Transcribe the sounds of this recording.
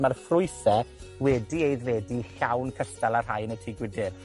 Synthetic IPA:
marfrʊɨθɛwɛdiejðvɛdiɬawnkʰəstalˠar̥ɦajnətʰiːɡwɪdɪr

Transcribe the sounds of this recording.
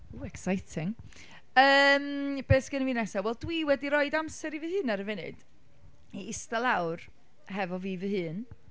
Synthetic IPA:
uɛksajtʰɪŋ | əːmb̥eːsɡ̥ənvinɛsawɛlˠdwiwɛdiɾɔɨdamsɛɾivɨhɨːnaɾəvɪnɨ̰d̥ | iɪstalˠawr | ɦɛvɔviːvɨhɨːn

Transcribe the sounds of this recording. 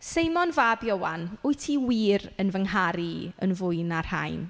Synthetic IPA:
sejmɔnvaːbjowanʊjtʰiwiːɾənvəŋɦaɾiə̰nvʊɨnar̥ha̰jn

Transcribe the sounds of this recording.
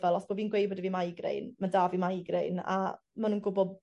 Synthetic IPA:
vɛlˠɔsb̥ɔviːnɡwejbɔdiviːmajɡrḛjnmadavimajɡrejna̰ | manuːnɡʊbɔd

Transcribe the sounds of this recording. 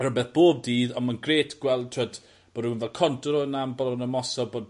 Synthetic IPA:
ɾɔbɛθb̥oːb̚diːðɔnmanɡreːtʰɡ̥wɛlˠd̚tʰɔd | b̥ɔdunvɛlˠkʰɔntɾɔənambɔlɔnəmɔsɔbod

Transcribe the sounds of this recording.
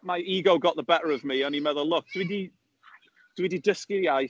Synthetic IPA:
majiːɡowɡɔʔðəbɛʔəɹəvmiə̃nimɛðəlˠʊk̚d̥widi | d̥wididəskijaj

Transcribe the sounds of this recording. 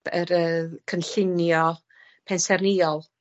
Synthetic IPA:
ə̰ɾəkʰənɬɪnjɔ | pʰɛnsɛrniːɔlˠ

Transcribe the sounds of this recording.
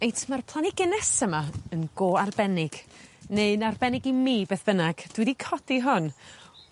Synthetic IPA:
ejtʰmarpʰlˠaniɡɪnɛsəmaənɡoːarbɛnɪɡ̥neɨnarbɛnɪɡimiːbeːθb̥ənaɡ̥d̥wɛdikʰɔd̥iɦʊn

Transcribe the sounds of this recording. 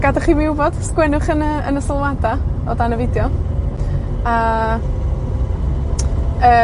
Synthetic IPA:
ɡ̥adaχiːmiubɔd̥skwɛnʊχənəənəsəlˠwadaɔdanəvɪdjɔ | a | əː

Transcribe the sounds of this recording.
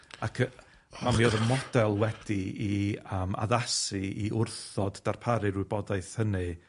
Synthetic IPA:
akʰə | mamioðəmɔd̥ɛlˠwɛd̥iiəma̰ðasiiʊrθɔd̥ːarpʰaɾɨɾwɨbɔdajθhənɨ

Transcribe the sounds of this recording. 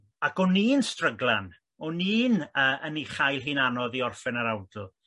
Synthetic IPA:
akɔniːnstrəɡlˠan | ɔniːnəːʔəniχajlˠɦɨːnanɔðiɔrfɛnaɾawdlˠ

